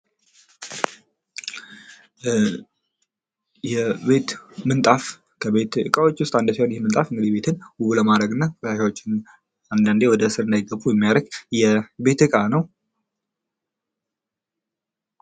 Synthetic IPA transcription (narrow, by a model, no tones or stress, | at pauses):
jɛbe̞t̪mɨnt̪ʼaf | kʰəβe̞t̪ɨkʼawo̞t͡ʃːwʊst̪ʼand̪əsihonjhemɨnt̪ʼafɨŋɡɨd̪ibe̞t̪ʰɨnbuβuləmad̪ɾəɡɨnːakʼtaʃawot͡ʃːɪn | and̪and̪e̞wɔd̪əɨsɨɾɨnd̪ajɡəbːujɛmːijaɾəɡjɛbe̞t̪ɨkʼanəw